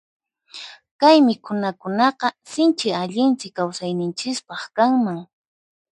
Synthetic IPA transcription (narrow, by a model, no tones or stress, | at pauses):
kajmɪkʊnakʊnɑqɑsɪnt͡ʃɪaʎɪnt͡sɪkːawsajnɪnt͡ʃɪspɑχkaŋmaŋ